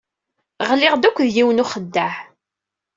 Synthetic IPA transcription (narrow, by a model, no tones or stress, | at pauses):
ʁlɪʁd̪ækʷːðjiwnuχəd̪ːæħ